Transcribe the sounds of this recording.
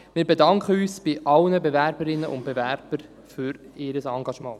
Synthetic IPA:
mɪːɾbedɑŋkχəyːsb̥ɪʔɑlnəbevæɾbəɾɪnːəʔʊ̰nt̚b̥evæɾb̥əɾ | fʏɾɪːɾəsɑŋɡɑʃmɑ̃ː

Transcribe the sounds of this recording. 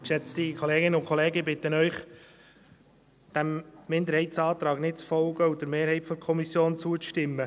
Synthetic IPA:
kʃɛt͡stikʰɔleːɡɪnəʊnkʰχɔleːɡəbɪt̪ːənœʏχ | d̥æmːɪnd̪əɾhɛɪtsɑːt̪ɾɑːɡnɪt̚t͡sfɔlɡəud̥əɾmeːɾhɛɪtfɔkʰɔmisjoːnt͡suət͡sʃtɪmːə

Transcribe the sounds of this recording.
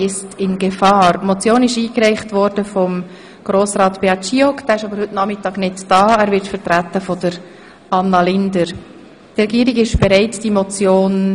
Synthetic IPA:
ɪstʰɪnɡefɑːɾmɔt͡sjoːnɪʃiːkrɛɪχtʋɔɾd̥əfɔm | ɡ̥ɾoːsɾɑːtb̥eɑt͡ʃiɔkd̥æːɪʃɑbəɾhɵtnɑχmɪtɑːɡnɪdd̥ɑːæːɾʋɪɾtfəɾtɾætːəfɔdəɾ | ɑnːɑlɪndəɾ | drɛɡiːɾɪɡɪʃb̥ɛɾɛɪtd̥imɔt͡sjoːn

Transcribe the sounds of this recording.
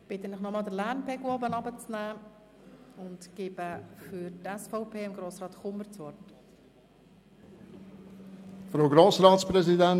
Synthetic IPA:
b̥ɪt̪ənɪχnɔmɑːlˠd̪əlærnpʰɛɡʊɔbənɑbət͡snæː | ʊntɡ̥ɪːbəfyɾtɛsfɔʊpʰeːɪmɡɾoːsrɑːtχʊməɾt͡sʋɔrt | fɾowɡɾoːsɾɑːtspɾɛzidɛn

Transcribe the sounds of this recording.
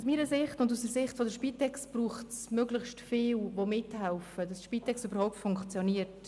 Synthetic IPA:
usmiːɾəsɪχtʊnduːsəɾsɪχtfodəɾʃpiːtɛkstb̥ruːχtsmøɡləχʃtfɪːlvomɪthɛʊfəd̥ɑsʃpiːtɛkstybəɾhɔʊp̚tfʊŋkt͡sjɔniːəɾt

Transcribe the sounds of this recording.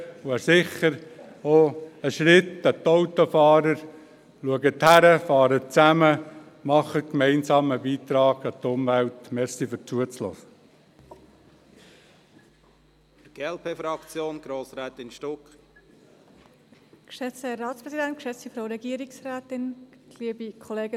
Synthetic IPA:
ʊəsɪχəɾ | oəʃɾɪt̪ːət̪ːoʊt̪ofɑːɾəɾ | luəɡət̪hæɾəfɑːɾət͡sæmə | mɑχətkmɛɪnsɑːməbiːt̪ɾɑːɡ̥ɑt̪ʊmʋælt̪mɛɾsifʏɾt͡suət͡slɔ̰sə | ɪɡ̥eɛlpʰeːfɾɑkt͡sjoːnɡ̥ɾoːsɾɛːt̪ɪnʃtɔk | kʃɛt͡səɾɑːtspɾɛzidɛnt̚kʃɛt͡sifɾoʊɾɛɡiəɾɪksræːt̪ɪnɡ̥liːbikʰɔleːɡə

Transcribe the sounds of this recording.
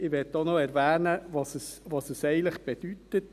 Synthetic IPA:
ɪʋɛtːonɔɛɾʋæːnəʋɑsəsʋɑsəsɛɪɡələχb̥ed̥ytət

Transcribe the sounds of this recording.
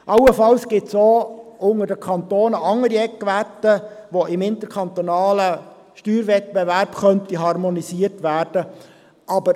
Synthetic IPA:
ʔɑʊəfɑlsɡ̥ɪtsoːʊŋədəkʰɑnt̪oːnəʔɑŋːəɾiɛkʋæt̪ːəʋoʔɪmɪnt̪əɾkʰɑnt̪onɑːlə | ʃtyːɾvɛt̪̚b̥ɛvæɾbχœntiɦɑɾmɔnisiːərtʋæːrd̥ə | ʔɑbəɾ

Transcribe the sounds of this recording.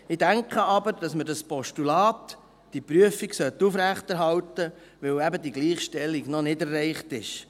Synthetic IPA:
ɪd̥æŋkχəɑbəɾd̥ɑsmədɑspɔʃtulɑːt | d̥ipɾyəfiɡsœt̪ːufɾæχtæɾɦɑltə | ʋɛwæbədiɡliːχʃtɛlːiɡnɔnɪdɛrːɛɪχtɪʃ

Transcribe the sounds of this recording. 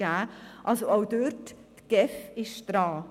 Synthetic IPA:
aːʔɑlsoaʊdøɾtː | ɡ̥ɛfɪʃd̥ɾɑː

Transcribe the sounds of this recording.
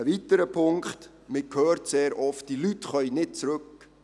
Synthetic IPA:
əvitəɾəpʰʊŋkχt | mɪkʰøːɾtseːɾʔɔft̚dilytχœʏnɪt̚t͡sɾɵk

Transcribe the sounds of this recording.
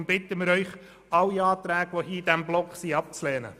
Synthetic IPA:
mb̥ɪt̪əmɪɾœʏχ | ɑlːiɑːt̪ɾæːɡʋohiːd̥̪æmblɔkχsiɑp̚t͡slɛːnə̰

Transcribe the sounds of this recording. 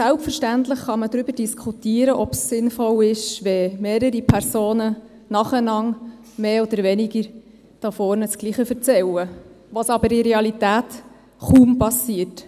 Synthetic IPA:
sælpfəɾʃtæntləχχɑməd̪ɾʏb̥əɾd̥iskʰut̪iːəɾəʔɔbsːɪnfɔlɪʃʋɛmeːɾəɾipʰæɾsoːnə | nɑχənɑŋ | meːɔd̪əɾʋɛnɪɡəɾ | d̥ɑfɔːɾnət͡sɡ̥liːχəfəɾt͡sɛwə | ʋɑsɑbəɾɪɾeɑlitæːt | χuːmpɑsiːət

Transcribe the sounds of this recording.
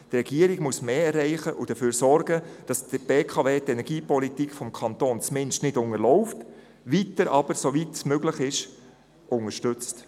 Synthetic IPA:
trɛɡ̥iəɾɪɡ̥muəsmeːɛrːɛɪχəʔʊd̥əføːɾsɔɾɡ̥əd̥ɑsdəb̥eːkʰɑveːtɛnɛɾɡ̥iːpɔlitikfɔmkʰɑnt̪oːnt͡smɪnʃtnɪdʊŋəlɔʊft | ʋitəɾʔɑb̥əɾsoʋitsmøɡlɪχɪʃ | ʔʊŋəʃtʏt͡st

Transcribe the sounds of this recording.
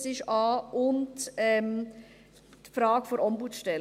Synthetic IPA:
sɪʃɑːʔʊntɛm | tfɾɑːɡ̥foɾɔmbut͡sʃtɛl

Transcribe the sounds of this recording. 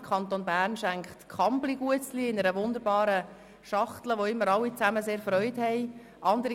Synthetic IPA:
kʰχɑntonbæːɾnʃæŋkχtkʰɑmbliɡ̥uət͡sliɪnəɾəʋʊnd̪əɾbɑːɾə | ʃɑχt̪ləʋoɪmːəɾɑlːit͡sæməseːɾfɾœʏthɛɪ | ʔɑnd̪əɾ

